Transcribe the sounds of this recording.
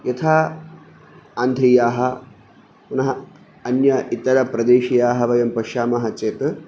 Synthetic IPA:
jɐt̪ʰaː | and̪ʱijaːɦɐ̆ | punɐɦɐ | ɐnjɐʔit̪ːɐɾɐpɾɐd̪eːʃijaːɦɐʋɐjɐmpɐʃaːmɐɦɐt͡ʃeːt̪

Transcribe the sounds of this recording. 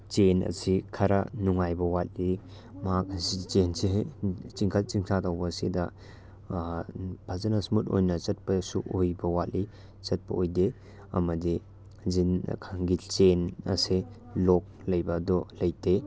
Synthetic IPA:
t͡ʃenɐ̰sikʰɐɾɐ̰nuŋajbɐwat̚li | mɐak̚sit͡ʃensiɦet͡ʃiŋkʰal̚t͡ʃiŋsʰatawbɐsidɐ | bʰʱazɐnɐsmuto̰jnɐt͡ʃɐt̚pɐsuʔojbɐwat̚li | t͡ʃɐt̚pɐojde | ɐ̰mɐdi | zin̰kʰaŋɡit͡ʃenɐ̰se | lɔk̚lɐjbɐdɔlɐjtʰe

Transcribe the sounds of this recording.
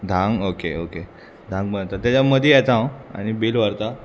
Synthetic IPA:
d̪ʱãŋɡokeoke | d̪ʱãŋɡbənt̪at̪jat͡ɕjaməd̪ʱiat͡sãwa̰ɽ̃ibilʋəɾt̪a

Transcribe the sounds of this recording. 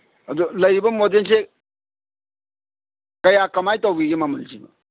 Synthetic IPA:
ɐdulɐjɾibɐmodens̬e | kɐjakɐmajtowbiɡimɐmɐlzibɐ̰

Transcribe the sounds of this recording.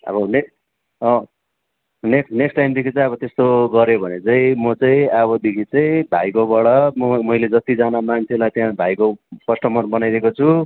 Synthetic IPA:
ʌ̰bʌnek | ʌ | neksneksʈajmd̪ikʰit͡sãĩʌβʌt̪est̪oɡʌɾjobʱʌnet͡saĩmʌt͡saĩʌβʌd̪ikʰit͡sʌĩbʱa̰jkobʌɽʌmʌmʌijled͡zʌt̪id͡zanamant͡sʰelajt̪jãbʱajkopʌsʈʌmʌnbʌnajɾʌɦekot͡sʰu

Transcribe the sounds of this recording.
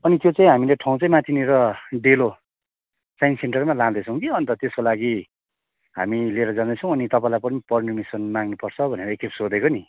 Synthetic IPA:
ʌnit̪jot͡saĩɦamileʈʰãw̃t͡saĩmat̪ʰineɾʌɖelo | sajnseɳʈʌrmalãd̪ʌt͡sʰʌw̃kiʌnt̪ʌt̪eskolaɡi | ɦa̰mileɾʌd͡zand̪ʌt͡sʰʌ̃w̃ʌnit̪ʌpãĩlajpʌnipʌrnimisʌnmaŋnupʌrt͡sʰʌbʱʌneɾʌekʰepsod̪ekoni

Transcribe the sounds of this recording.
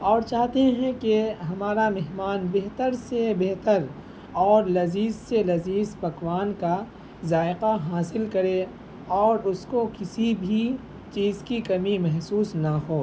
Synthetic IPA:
ɔːɾt͡ʃaːɦt̪ẽɦɛ̃keɦɐmaːɾamɛɦmaːnbeɦt̪əɾsebeɦt̪əɾ | ɔːɾlɐziːzːelɐziːzpɐkwaːnka | zaːɪqaɦaːsɪlkɐɾe | ɔːɾʊskokɪsibʱi | t͡ʃiːzkikɐmimɛɦsuːsnahoː

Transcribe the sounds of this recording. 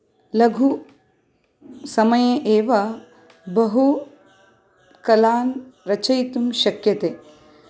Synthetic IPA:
lɐɡʱu | sɐmɐjeʔeːʋɐ | bɐɦu | kɐlaːnɾɐt͡ʃɐjt̪umʃɐkjɐt̪e

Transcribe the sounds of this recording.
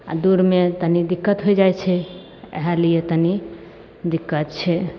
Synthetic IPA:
a̰d̪uɾmet̪ənid̪ikːət̪ɦojd͡ʒajt͡ʃʰɛ | ḛɦaliet̪əni | d̪ikːət̪̚t͡ʃʰɛ

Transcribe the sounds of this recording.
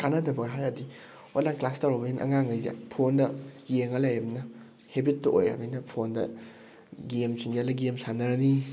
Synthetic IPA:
kanɐdɐbɐɡɦajɾɐdi | olaklastawɾobɐninʔɐ̰ŋaŋɐjza̰pʰondɐjeŋɐlajɾɐbnɐ | hebit̚tːɐʔo̰jɾɐ̰minɐpʰondɐ̰ | ɡemsiŋɡialɐɡemsanɐɾɐni

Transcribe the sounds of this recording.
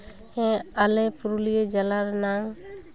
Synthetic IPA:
hɛ̃alɛpuɾulijed͡ʒalaɾnaŋ

